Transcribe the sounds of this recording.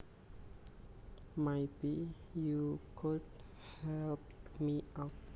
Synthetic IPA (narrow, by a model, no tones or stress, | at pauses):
mejbi | jukʰud̚ | hɛlp̚miawt̚